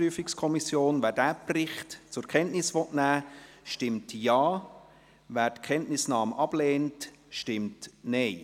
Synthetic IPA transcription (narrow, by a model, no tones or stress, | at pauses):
yəfɪkskʰɔmisjoːnvæːɾdæːprɪχtt͡sʊɾkʰɛntnɪsʋɔtnæːʃtɪmtjɑː | væːɾtkʰɛntnɪsnɑːmʔɑb̥leːnt | ʃtɪmtnɛɪ